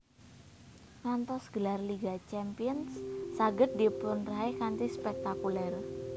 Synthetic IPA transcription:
ŋant̪ɔsɡ̥əlarliɡat͡ʃɛmpiənsːaɡət̪̚d̪ipʊnraekant̪ispɛk̚t̪akulɛr

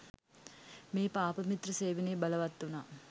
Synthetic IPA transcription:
miːpaːpɐmit̪ɾɐseːʋineːbɐlɐʋɐt̪ːunɐ

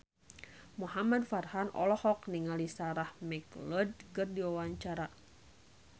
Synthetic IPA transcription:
muɦamadfarhanɔ̰lɔhɔkniŋalisaɾahmɛklɔd̚kɨrdiwawaɲt͡ʃaɾa

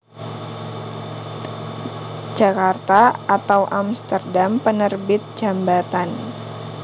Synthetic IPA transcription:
d͡ʒakart̪aat̪awʔamst̪ərdampənərbɪt̪̚d͡ʒambat̪an

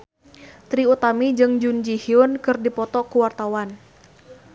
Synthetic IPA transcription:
t̪ɾiut̪amid͡ʒɨŋd͡ʒund͡ʒihiʊnkɨrdipɔt̪ɔkuwart̪awan

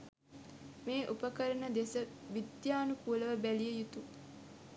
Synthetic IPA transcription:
meːʔupəkəɾənəd̪esəʋid̪jaːnukuləʋəbælijəjut̪u

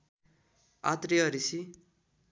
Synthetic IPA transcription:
a̰t̪riʌɾisi

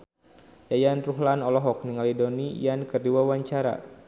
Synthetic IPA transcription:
jajanruɦlanɔlɔɦɔk̚niŋalidɔnijankərdiwawaɲt͡ʃaɾa̰

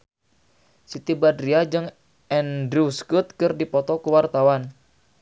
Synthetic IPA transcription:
sit̪ibadɾiad͡ʒɨŋ | ɛndɾuskut̪̚kɨrdipɔt̪ɔkuwart̪awan

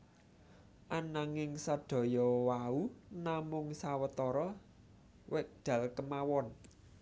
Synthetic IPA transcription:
ʔanaŋɪŋsaɖ̪̥ɔ̤jɔwaunamʊŋsawət̪ɔɾɔ | wɪʔ̚d̪̥ä̤lkəmawɔn

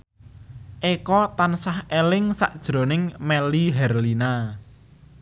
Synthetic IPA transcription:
ʔekɔt̪ansahelɪŋsa̰ʔd̥ʒ̥ɾo̤nɪŋmɛliɦɛrlina

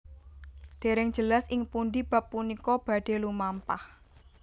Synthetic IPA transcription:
d̪̥e̤ɾɪŋd͡ʒ̥ə̤lasɪŋpund̪ib̥ä̤pːunikɔb̥ä̤ɖ̪̥e̤lumampah

